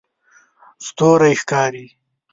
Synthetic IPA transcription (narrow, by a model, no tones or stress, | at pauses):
st̪oːɾajxkaːɾi